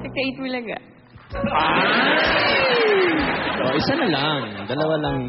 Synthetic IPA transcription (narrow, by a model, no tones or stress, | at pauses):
t̪ɐɡ̚t̪ɐit̪mulɐɡa̰ | ʔoʔɪsanɐlaŋd̪ɐlɐwalɐŋ